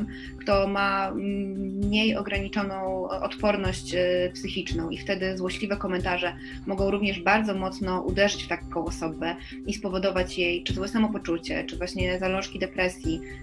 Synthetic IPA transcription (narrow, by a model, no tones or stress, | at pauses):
m | kt̪ɔma | ɲejɔɡɾaɲit͡ʂɔnɔ̃w̃ɔt̪pɔɾnɔɕt͡ɕpsɘxʲit͡ʂnɔ̃w̃ift̪ɛd̪ɘzwɔɕlʲivɛkɔmɛnt̪aʐɛ | mɔɡɔ̃w̃ɾuvɲɛʐbaɾd̪zɔmɔt̪snɔʔṵd̪ɛʐɘt͡ɕft̪akʰɔ̃w̃ɔsɔbɛ | ispɔvɔd̪ɔvat͡ɕjejt͡ʂɨwɛsamɔpɔt͡ʂut͡ɕɛ̰t͡ʂɘvwaɕɲɛzalɔ̃ʂkʲid̪ɛpɾɛsʲji